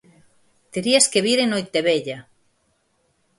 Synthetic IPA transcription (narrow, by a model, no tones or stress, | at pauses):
t̪eɾiaskeβiɾenojt̪eβeʎa